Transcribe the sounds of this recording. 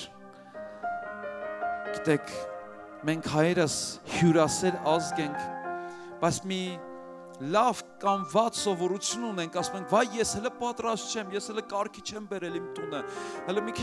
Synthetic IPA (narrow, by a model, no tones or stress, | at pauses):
ɡ̥it̪ɛkʰ | mɛŋkʰhɑjɛɾəshjuɾɑsɛɾɑzɡɛŋkʰ | b̥ɑjt͡sʰmi | lɑvkɑmvɑt͡ssɔvɔɾut͡sʰjununɛŋkʰɑsumɛŋkʰvɑjːɛshɛləpɑt̪ɾɑst̪̚t͡ʃʰɛmjɛshɛləkɑɾkʰit͡ʃʰɛmbɛɾɛlimt̪unəhɛlɔmikʰi